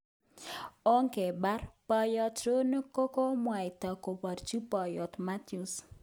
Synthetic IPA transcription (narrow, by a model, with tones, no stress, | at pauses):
o˦ŋke˨ba˦rpa˨jɔ˦t̪ɾo˦ne˦ko˦ko˦mwa˨ɪ˨t̪a˨ko˨pa˨rt͡ʃi˦pa˨jɔ˨t̪ma˦t̪u˨s